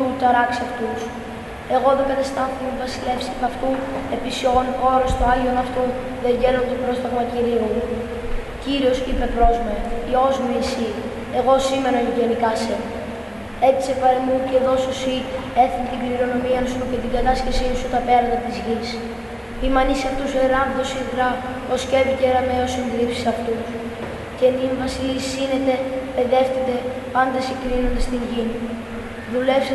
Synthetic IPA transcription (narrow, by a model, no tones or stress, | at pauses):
ut̪ɐɾɐksiɐft̪us | e̞ɣo̞ðekɐt̪ɐst̪ɐθumevɐsile̞fsipɐft̪ue̞pisionxo̞ɾost̪oɐʝio̞nɐft̪u | ðe̞ɲɟe̞nont̪opɾo̞st̪ɐɣmɐciɾio | ciɾio̞sipe̞pɾo̞zmeio̞zmuisi | e̞ɣo̞sime̞noiʝe̞nikɐse | e̞t̪i̥sepɐɾemuceðo̞sosie̞θunt̪iɡliɾo̞no̞miɐsucet̪iɡɐt̪ɐscesisut̪ɐpe̞ɾɐnd̪ɐt̪izʝis | imɐnisɐft̪useɾɐvðosiðɾɐ | osce̞viceɾɐmeosind̪iɾipsi̥sɐft̪u | ce̞niɱvɐsisinet̪e̞peðe̞fθit̪e̞ | pɐnd̪esikɾinond̪est̪iɲʝin | ðule̞fs